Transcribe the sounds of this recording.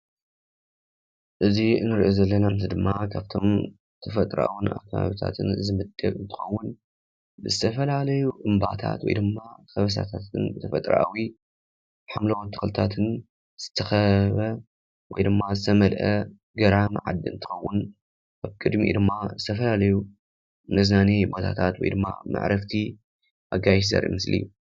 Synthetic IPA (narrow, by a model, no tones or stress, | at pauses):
ʔɨziɨnːɨɾiʔozɐlːɐnamt̪id̪ɨmːakʰaβt̪ʰo̞m | t̪ʰɐfɐt̪ʼɾa̰ʔawuna̰kʰɐβa̰βit̪ʰa̰t̪ʰɨnzɨmɨd̪ɐkʼɨnt̪ʰɨ̥xɐwːʊn | bɨzɨt̪ʰɐfɐlalɐjuʔɨmba̰ʔt̪ʰa̰t̪wɔ̰jd̪ɨmːakɐβɐs̬a̰t̪ʰat̪ɨnbɨt̪ʰɐfɐt̪ʼɾa̰ʔawi | bħamlɐwot̪ʰːɨ̥xlɨt̪ʰat̪ʰɨn | z̥ɨ̥t̪ʰɐxɐβɐ | wɔjd̪ɨmːazɨt̪ʰɐmɐlʔɐ | ɡɐɾamʕa̰d̪ɨɨ̰nt̪ʰɨ̥xɐwːʊn | kaβkʼɨd̪mḭd̪ɨmːazɨt̪ʰɐfɐlalɐju | nɨznanebo̞t̪ʰa̰t̪ʰat̪wɔjd̪ɨmːa̰mʔa̰ʕɾʔɐft̪ʰi | ʔaɡajʃzɐ̰ɾʔḭmɨslḭ